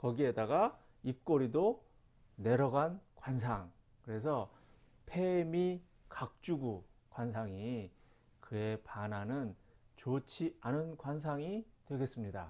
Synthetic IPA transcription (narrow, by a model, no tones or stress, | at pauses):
kʌɡie̞daɡa | ip̚k͈oɾido | ne̞ɾʌɡankwans̬ʰaŋ | kɯɾe̞s̬ʰʌ | pʰe̞mi | kak̚t͡ɕ͈uɡukwansʰaŋi | kɯe̞pananɯnt͡ɕot͡ɕʰianɯnkwans̬ʰaŋitwe̞ɡe̞s͈ɯmɲida̰